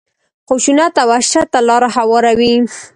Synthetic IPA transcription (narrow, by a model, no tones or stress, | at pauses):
xuʃunat̪awaʃat̪ːalɑɾaɦawɑɾawi